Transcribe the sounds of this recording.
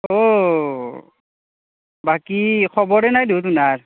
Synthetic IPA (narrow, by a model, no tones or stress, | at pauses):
o | bakikʰɔbɔɹɛnajduwt̬unaɹ